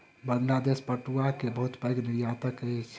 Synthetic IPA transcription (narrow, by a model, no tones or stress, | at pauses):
bəŋlad̪espəʈuakebəɦut̪bəjɡniɾjat̪əkət͡ʃʰ